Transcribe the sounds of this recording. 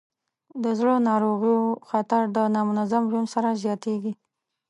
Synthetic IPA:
d̪əzɽənɑɾoɣijoxat̪aɾd̪ənɑmʊnazamʒunsaɾazjɑt̪eɡi

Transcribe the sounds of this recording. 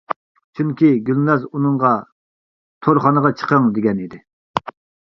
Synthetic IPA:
t͡ʃʰyŋkʲiɡʲylnɑzunɨŋʁɑ | t̪ʰoɾχɑnəʁɑt͡ʃʰə̥qʰəŋd̪eɡʲɛnid̪ɪ

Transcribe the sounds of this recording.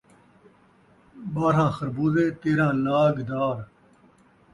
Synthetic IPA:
ɓaːɾãːxəɾbuːzeːt̪eːɾãːlaːɡd̪aːɾ

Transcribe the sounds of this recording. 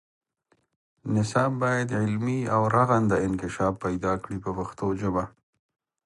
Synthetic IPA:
nɪsɑbːɑjad̪ʕɪlmiawɾaɣand̪əɪnkɪʃɑfːajd̪ɑkɽipəpaxt̪oʒəba

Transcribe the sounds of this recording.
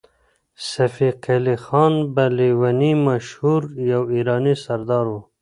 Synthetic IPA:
safiqelixɑːnbaliwanimaʃhuɾjawiːɾɑːnisaɾd̪ɑːɾwu

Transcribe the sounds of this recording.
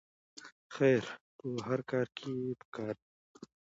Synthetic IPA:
xɛːɾt̪uːɦɐɾkaːɾkʰibkaːɾ

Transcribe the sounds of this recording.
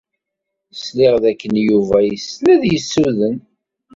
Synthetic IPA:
slɪʁðækːənjuvæjəslæðjəsːuðən

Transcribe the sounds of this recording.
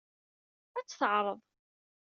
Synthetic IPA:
æt͡sːθəʕɾˤəðˤ

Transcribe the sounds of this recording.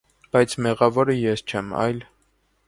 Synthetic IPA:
b̥ɑjt͡sʰmɛʁɑvɔɾəjɛst͡ʃʰɛmɑ̰jl

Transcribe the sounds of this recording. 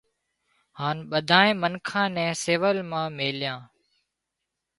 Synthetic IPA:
haːnɓəd̪ʱaːẽːmənkʰãːnɛ̃ːseːʋəlmãːmeːljãː

